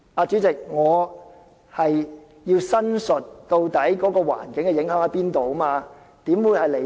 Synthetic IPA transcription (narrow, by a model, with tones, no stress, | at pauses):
aː˧t͡ʃyː˨˥t͡sɪ˨k̚ŋɔː˨˧ | hɐ˨j | jiː˧wsɐ˥nsɵ˨t̚t̪o˧wt̪ɐ˨˥jkɔː˨˥kɔː˧wa̰ː˨˩nkɪ˨˥ŋkɛ˧jɪ˨˥ŋɦœː˨˥ŋɐ˨˧˥piː˥nt̪o˨wmaː˧ | t̪iː˨˥mwu˨˧˥jhɐ˨jle˨˩